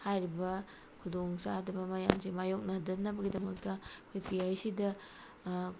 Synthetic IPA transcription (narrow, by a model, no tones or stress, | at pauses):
hajɾibɐ | kʰudoŋsadɐbɐmaja̰msimajok̚nadɐnːɐbɐɡidɐmɐk̚tɐɐkʰojpiajsidɐ